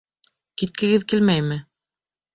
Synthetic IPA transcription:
kit̪̚kɘ̆ɡɘðkilmæjmɘ

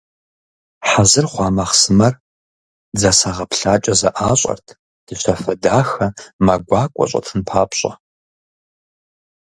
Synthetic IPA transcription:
ħazɨrχʷɑːmɐχsɨmɐr | d͡zɐsaʁɐpɬaːt͡ʃʼɐzɐʔaːɕʼɐ̰rtʰ | d̥ɨɕʰɐfɐdaːxɐmɐɡʷɑːkʷʼɔ̰ɕʼɐ̰tʰɨnpʰaːpʰɕʼɐ̰

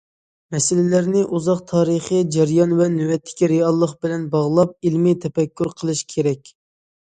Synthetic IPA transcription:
mɛsɪlɪlæɾnɪʔuzɑqt̪ʰɑːɾəχəd͡ʒɛɾjɑnvɛnywɛt̪ʰːɪ̥kʲiɾeɑlˠːəqbɪlɛnbɑʁlˠɑp̚ilmit̪ʰɛfɛkʲːuɾqʰəlˠɨʃkʲʰeɾɛkʲ

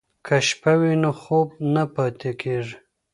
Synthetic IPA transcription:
kʰaʃpawinoxob̚napɑt̪ekʰeʐ

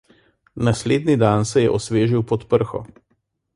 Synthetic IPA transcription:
nasleːd̪nid̪ansɛjɛʔɔsʋeːʒiwpɔt̪pəɾxɔ̰

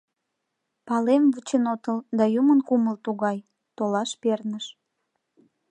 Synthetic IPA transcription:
pɑlemvut͡ɕenot̪əld̪ɑjumənkuməlt̪uɣɑj | t̪olɑʃpernəʃ

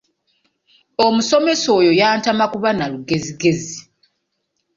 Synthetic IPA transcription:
omuso̞me̞so̞ːjo̞jaːntamakuβanaluɡe̞ziɡe̞zi

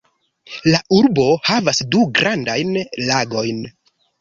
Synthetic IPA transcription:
laʔuɾbo̞havasduɡɾandajnlaɡo̞jn

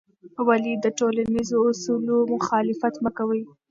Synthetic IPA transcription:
walid̪əʈolanizoʊsulomʊxɑlɪfat̪məkawəj

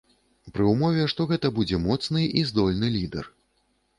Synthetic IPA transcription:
pɾɨumɔvʲɛʂt̪ɔɣɛt̪ɐbud͡zʲɛmɔt̪snɨʔizd̪ɔlʲnɨlʲid̪ɛ̰r

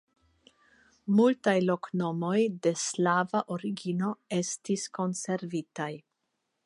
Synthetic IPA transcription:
multajlo̞kno̞mo̞jde̞slavaʔoɾiɡino̞e̞stisko̞nse̞ɾvitaj

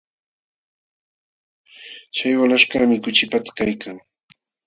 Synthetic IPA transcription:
t͡ʃajwalaʃkamɪkʊt͡ʃɪpat̪ḁkajkʰaŋ

